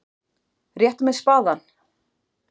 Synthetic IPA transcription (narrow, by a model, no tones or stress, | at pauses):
rjɛht̪amɛðspaːðan